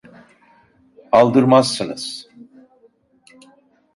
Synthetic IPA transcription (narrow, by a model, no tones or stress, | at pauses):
alˠd̪ɯɾmazsːɯnɯz̥